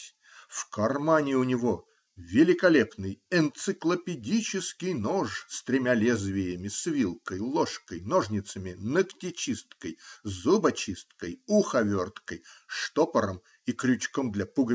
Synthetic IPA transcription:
fkɐrmanʲɪʊnʲɪvo | vʲɪlʲɪkɐlʲepnɨjɛnt̪sɨklˠəpʲɪdʲit͡ɕɪskʲɪjnoʂst̪ɾʲɪmʲalʲezvʲɪjəmʲɪsvʲilˠkəjlˠoʂkəjnoʐnʲɪt̪səmʲɪnəktʲɪt͡ɕist̪kəjzubɐt͡ɕist̪kəjuxɐvʲort̪kəjʂt̪opəɾəm | ikɾʲʊt͡ɕkomd̪lʲɐpuɡə

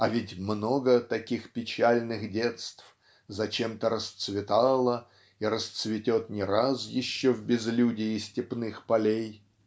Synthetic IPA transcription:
ɐvʲɪtʲmno̞ɡət̪ɐkʲixpʲɪt͡ɕælʲnɨxdʲe̞t̪st̪f | zɐt͡ɕe̞mt̪əɾəst̪svʲɪt̪alˠə | iɾəst̪svʲɪtʲo̞t̪nʲɪɾasjɪɕːovbʲɪzlʲudʲɪɪsʲtʲɪpnɨxpɐlʲej

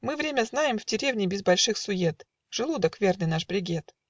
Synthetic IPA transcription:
mɨvɾʲemʲəznajɪmvdʲɪɾʲevnʲɪbʲɪzbɐlʲʂɨxsʊjet̪ | ʐ̥ɨlˠud̪əkvʲernɨjnaʂbɾʲɪɡʲet̪

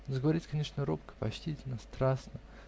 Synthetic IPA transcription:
zəɡəvɐɾʲitʲkɐnʲeʂnəɾopkə̥pɐt͡ɕtʲitʲɪlʲnəst̪ɾasnə

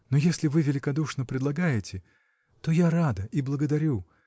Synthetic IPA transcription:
nojesʲlʲɪvɨvʲɪlʲɪkɐd̪uʂnəpɾʲɪd̪lˠɐɡajɪtʲɪ | t̪ojaɾad̪əʔiblˠəɡəd̪ɐɾʲu

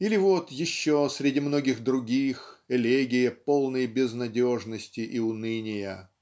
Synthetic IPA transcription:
ilʲɪvot̪jɪɕːosʲɾʲɪdʲimno̞ɡʲɪxd̪ɾʊɡʲixɛlʲeɡʲɪjɪpolˠnəjbʲɪznɐdʲo̞ʐnəsʲtʲɪʔiʊnɨnʲɪjə

